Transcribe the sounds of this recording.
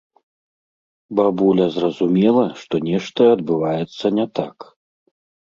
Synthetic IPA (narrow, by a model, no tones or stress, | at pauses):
babulʲɐzrɐzumʲɛlˠɐʂt̪ɔnʲɛʂt̪ɐɐd̪bɨvajɛt̪sːɐnʲɛt̪a̰k